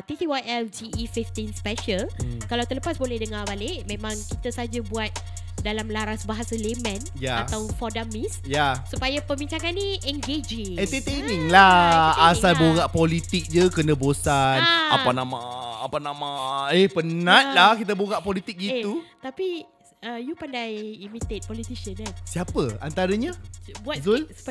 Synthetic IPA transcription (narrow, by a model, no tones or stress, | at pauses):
t̪it̪iwatɛld͡ʒiːfift̪inspɛʃəlkalawt̪ələpasbolɛhdəŋabaleʔmẽmãŋkit̪asad͡ʒabuat̪̚ | dalamlaɾasbaɦasalemɛ̃njaat̪awfɔdamisjasupajapəbiɲt͡ʃaŋanːiʔɛŋɡed͡ʒiŋɛnt̪ət̪eniŋlaasalboɣaʔpɔlit̪ɪk̚d͡ʒəkənəbosana̰panãmãapanamãehpənat̪̚lahkit̪aboɣaʔpɔlit̪ɪk̚ɡit̪ut̪api | əjupandajimit̪et̪̚pɔlit̪iʃənansiapəant̪aɾəɲabuatzulsu̥pa